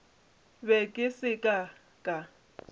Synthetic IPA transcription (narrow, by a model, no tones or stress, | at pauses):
bɛkʼɪsɪkʼa | kʼa